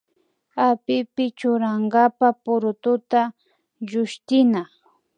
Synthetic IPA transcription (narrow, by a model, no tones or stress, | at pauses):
apɪpɪt͡ʃʊɾaŋɡapapʊɾʊt̪ʊt̪a | ʒʊʃt̪ɪna